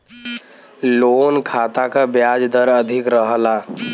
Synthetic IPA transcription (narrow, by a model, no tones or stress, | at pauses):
loːnkʰaːt̪akabjaːd͡ʒd̪əɾəd̪ʱɪkɾəɦəla